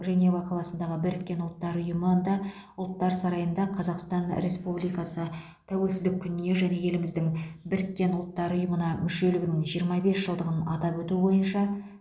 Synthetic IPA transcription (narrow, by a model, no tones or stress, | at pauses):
ʒæne̞wɑqʰɑlˠɑsənd̪ɑʁəbɪɾɪkʲːe̞nʊlˠt̪ːɑɾʊjəməd̪ɑ | ʊlˠt̪ːɑɾsɑɾɑjənd̪ɑqʰɑzɑqst̪ɑnɾe̞spublijkɑsə | t̪ʰæwe̞lsɪzd̪ɪkʲʰːʏnɪne̞ʒæne̞je̞lɪmɪzd̪ɪŋbɪɾɪkʲːe̞nʊlˠt̪ːɑɾʊjəmənɑmʏʃe̞lɪɡʲɪnɪŋʒijəɾmɑbe̞sʒəlˠd̪əʁənɑ̰t̪ɑpwɵt̪ubo̞jənʃɑ